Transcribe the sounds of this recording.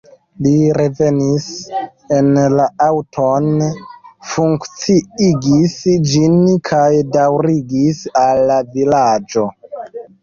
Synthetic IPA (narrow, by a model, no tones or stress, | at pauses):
liɾe̞ve̞nis | enlaawtʰon | fuŋkt͡siiɡisd͡ʒinkʰajdawɾiɡisalːavilad͡ʒo̞